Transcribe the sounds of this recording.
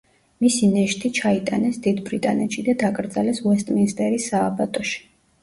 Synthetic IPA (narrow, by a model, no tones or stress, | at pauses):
misinɛʃt̪ʼit͡ʃʰait̪ʼanɛsd̪id̪bɾit̪ʼanɛt̪ʃid̪ad̪akʼɾd̪zalɛswɛst̪ʼminst̪ʼɛɾisaːbat̪ʼɔʃi̥